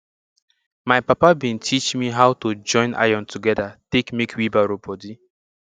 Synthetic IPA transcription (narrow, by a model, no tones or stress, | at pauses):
majpapabĩntʰit͡ʃmiɦawtod͡ʒɔ̃ɪ̃na̰jɔ̃ntuɡɛdatekmekʰwibaɾobɔdi